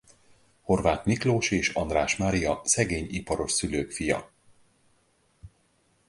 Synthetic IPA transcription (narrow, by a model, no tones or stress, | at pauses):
ho̞rvaːt̪mikloːʃeːʃɒ̰nd̪raːʃmaɾijɒsɛɡeːɲipɒɾo̞ʃsyløːkfijɒ̰